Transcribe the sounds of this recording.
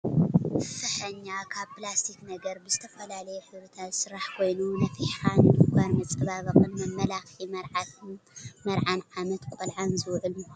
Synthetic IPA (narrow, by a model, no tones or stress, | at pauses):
fɨħɐɲːakʰaβpɨlast̪ʰiknɐɡɐɾbɨzɨt̪ʰɐfɐlalɐjuħɨɾɨt̪ʰat̪sɨɾaħkʰo̞jnunɐfiħandɨɡʷaɾmɐt͡sʼɐβaβɐχʼɨnmɐmːɐlaximɐɾʕa | mɐɾʕanʕamɐt̪kʷʼolʕanzɨwʕɨl